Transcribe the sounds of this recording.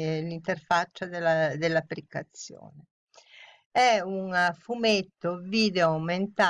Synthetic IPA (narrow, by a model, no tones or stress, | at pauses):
lint̪erfat͡ʃːad̪elad̪elːapːɾikːat̪sːjo̰ːne | ɛuŋfumet̪ːoviːd̪eoawment̪a